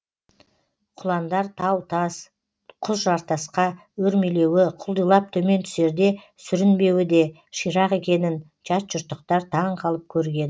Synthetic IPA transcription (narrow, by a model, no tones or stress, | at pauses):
qʰʊlˠɑnd̪ɑɾt̪ʰɑwt̪ʰɑs | qʰʊzʒɑɾt̪ɑsqɑ | wɵɾmele̞wɪqʰʊlˠd̪əjlˠɑp̚t̪ʰɵme̞nt̪ʰʏ̥se̞ɾd̪e̞ | sʏɾɪnbe̞wɪd̪e̞ | ʃijɾɑqe̞kʲe̞nɪn | ʒɑt̪ʒ̥ʊɾt̪ːəq̚t̪ɑɾt̪ʰɑɴqʰɑlˠəp̚kʲʰɵɾɡʲe̞n